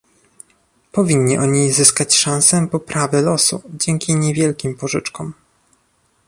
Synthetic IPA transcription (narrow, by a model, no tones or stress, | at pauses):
pɔvʲiɲːiʔɔɲizɘskat͡ɕʂãñsɛpɔpɾʔavʲɛlɔsud͡ʑɛŋkʲiɲɛvʲjɛlkʲimpɔʐɘt͡ʂkɔm